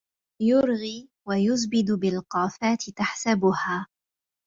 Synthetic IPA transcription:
jʊɾɣiː | wajʊzbɪd̪bɪlqɑːfaːt̪ɪt̪aħsabʊhaː

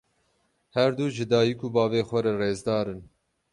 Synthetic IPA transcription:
hɛɾd̪uːʒɨd̪ɑːjikʰuːbɑːveːxʷɛɾɛreːzd̪ɑːɾɨn

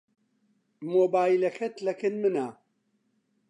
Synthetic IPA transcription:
moːbaːilɐxʰɐt̪lɐkɨnmɨnaː

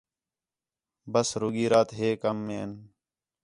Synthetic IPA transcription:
bəsɾʊɡiːɾaːt̪ɦeːkəmːeːn

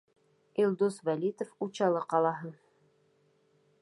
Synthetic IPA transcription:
ilˠd̪usvælʲit̪əfut͡ɕɑlˠɤqɑlˠɑɦɤɴ

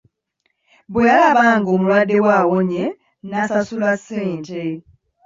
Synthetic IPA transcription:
bwejalaβaŋɡomulwadewawoɲe | nasasulaseːntʼe

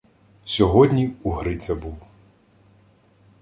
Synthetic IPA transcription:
sʲɔɦɔd̪ʲnʲiuɦɾɪt̪sɛbuw

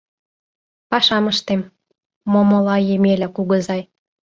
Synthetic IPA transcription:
pɑʃɑməʃt̪emː | omŏlɑjemelækuɣə̆zɑj

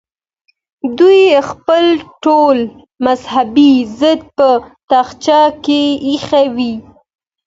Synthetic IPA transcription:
d̪ujxpəlʈol | mazhabizəd̪̚pət̪axt͡ʃɑkeixawi

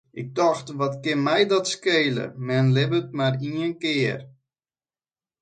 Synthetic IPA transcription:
ʔɪk̚tɔxtʋɔtkɪnmɛjdɔtskeːlə̰mɛnlɪbətmariənkɪər

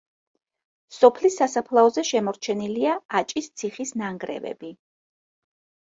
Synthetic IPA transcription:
sɔpʰlisːasapʰlˠaɔzɛʃɛmɔɾt͡ʃʰɛniliaat͡ʃʼist̪sʰiχisnaŋɡɾɛ̰vɛ̰bi

